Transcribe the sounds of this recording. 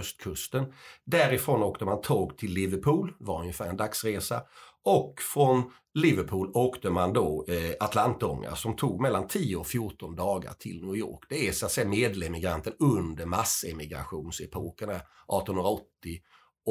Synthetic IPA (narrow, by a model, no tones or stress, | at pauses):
œst̪̚kʰɵst̪ənd̪æɾɪfɾoːnoːkt̪əmant̪ʰoːɡt̪ʰɪlːɪvəɾpʰuːlvaɾɵnjəfæːɾɛnd̪aksɾeːsa̰ | ʔɔkːfɾɔn | lɪvəɾpʰuːloːkt̪əmand̪ɔat̪ʰlant̪ɔ̰ŋːa̰sɔmt̪ʰuːɡmɛlːant̪ʰiːʊɔfjʊʈɔnd̪ɑːɡa̰ʈʰɪ̰lnjuːjo̰ːkd̪̥ɛæsʊat̪sɛjːameːd̪lɛmɪɡɾa̰nt̪ənɵnd̪əɾmasːɛmɪɡɾa̰ɧuːnsɛpʰoːkəɳaʔɑ̰ːt̪ɔnɵnɾaɔt̪ːɪ